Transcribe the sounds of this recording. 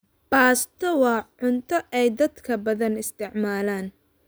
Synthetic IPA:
b̥aːst̪ʰɔwɑːʕʊnt̪ʰɔʔɛjd̪ɐd̪kʰɐbɐðɐnɪst̪ʰɪʕmaːlaːn

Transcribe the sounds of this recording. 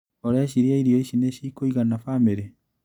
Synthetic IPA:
oɾeaɕiɾeaiɾiɔiɕineʃiːkoiɣanafameɾe

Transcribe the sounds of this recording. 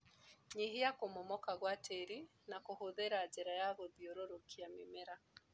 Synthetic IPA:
ɲiɦijakomomɔkaɣwatʰeɾi | nakohoðeɾaːd͡ʒɛɾajaɣoðioɾoɾokʰiamemeɾa

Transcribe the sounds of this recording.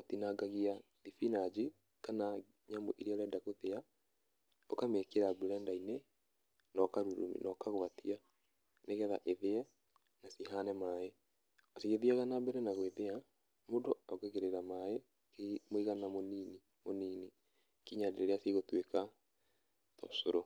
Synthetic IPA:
otinaɡaɣia | ðifinad͡ʒi | kana | ɲamo̰ʔiɾeaɾɛdakoðea | okamekeɾabuɾɛndainɛ | nɔkaɾuɾṵmḭnʔɔkaɣoβatia | neɣɛða̰ʔeðeɛ | nasiɦanɛmaːjɛ | ɔsiɣeðiaɣanabɛɾɛnaɣweðea | modoɔɣeɣeɾeɾamaje | kemoiɣanamonini | moniːni | kiɲadeɾeɾeasiɣotweka | tɔ̰soɾo

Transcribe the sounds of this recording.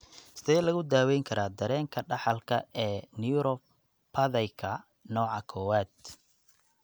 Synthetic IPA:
sɪd̪ɛːjlɐɣʊd̪aːwɛjŋkʰɐɾaːd̪ɐɾɛːŋkʰɐɖɑħɑlkʰɐɛːniuɾɔ | pʰɐðɐjkʰɐ | nɔːʕɑkʰɔːwaːd̪

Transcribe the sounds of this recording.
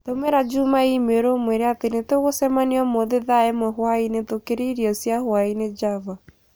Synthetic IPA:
tomeɾad͡ʒumaimeɾomweɾeatenetoɣosɛmaniɔmoðeðaemwɛɦwainetokeɾiiɾiɔsjahwained͡ʒava

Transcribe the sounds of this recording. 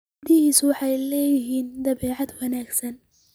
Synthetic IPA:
d̪ɪhiːswɑħɑjlɛːjɪɦiːnd̪ɐβɛːʕɑd̪wɐnaːɡsɐn

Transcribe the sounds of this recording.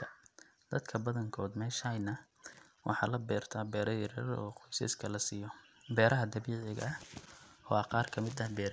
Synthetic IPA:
d̪̥ɐd̪kʰɐbɐðɐŋkʰɔːd̪mɛːʃɐjnɐ | wʔɑ̰ħɑ̰ːlɐbɛːrt̪ʰaːbɛːɾɐjɪɾɛ̰ːɾɔ̰ːqɔjsɪ̰ːskʰɐlɐsiːjɔ | bɛːɾɐɦɐd̪ɐβiːʕɪɣɐ̰ | ɔ̰ɐqɑːrkʰɐmɪd̪ɐhbɛːɾ

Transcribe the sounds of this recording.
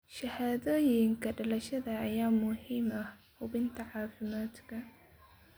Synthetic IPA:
ʃɐhaːðoːjɪŋkʰɐɖɐlɐʃɐðɐːjaːmʊhiːmɐhhʊbɪnt̪ʰɐʕɑːfɪmaːd̪kʰɐ

